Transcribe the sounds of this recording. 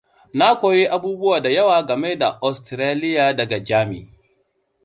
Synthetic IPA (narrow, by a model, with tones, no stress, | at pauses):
na˦kʷoː˨ji˦ʔa˦buː˦bʊ˦waː˨da˨jɐ˦waː˨ɡɐ˨me˦da˨ʔa˨stɾaː˦lɪ˦jaː˨dɐ˨ɡa˨d͡ʒaː˦mḭ˨